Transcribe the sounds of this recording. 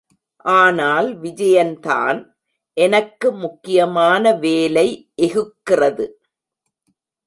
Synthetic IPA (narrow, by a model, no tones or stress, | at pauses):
ʔaːnaːlʋɪd͡ʒɐjɐnt̪a̰ːn | ʔɛnɐkːɯmʊkːɪjɐmaːnɐʋeːlɐɪʔɛɣɯkːɪrɐðɯ